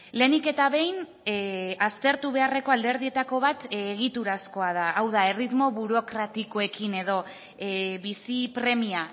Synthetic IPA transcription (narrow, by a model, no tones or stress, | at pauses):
le̞ːnike̞t̪aβe̞jn | ast̪e̞ɾt̪uβ̞e̞are̞ko̞ald̪e̞ɾðie̞t̪ako̞β̞at̪eɣ̞it̪uɾasko̞aðaʔːwðae̞rit̪mo̞βuɾo̞kɾat̪iko̞e̞kine̞ð̞o̞ | βisipɾe̞mia